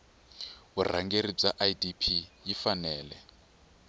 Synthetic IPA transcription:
βur̤a̰ŋɡeɾib͡ʐaʔajdipʰijifanɛːlɛ

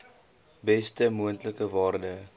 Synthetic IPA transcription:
bɛstəmuəntləkəvɑːrdə

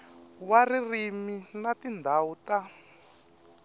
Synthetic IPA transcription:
waririminatind̪ʱauta

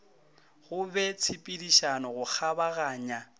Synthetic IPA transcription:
ɣʊbɛt͡sʰɪpʼidiʃanɔɣʊk͡xʰabaɣaːɲa

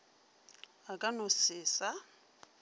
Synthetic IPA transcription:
akʼanosɪːsa

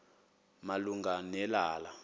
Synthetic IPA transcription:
maluŋɡanɛlaːla

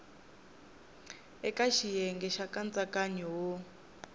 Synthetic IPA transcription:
ɛkaʃijɛŋɡɛʃakant͡sakaɲiwo

